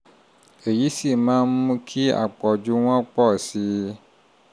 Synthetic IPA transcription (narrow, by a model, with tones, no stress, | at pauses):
e˨ji˦si˦˨mã˦m˦kʰi˦a̰˨k͡pɔ˨d͡ʒu˦w̃ã˦k͡pɔ˦˨si˨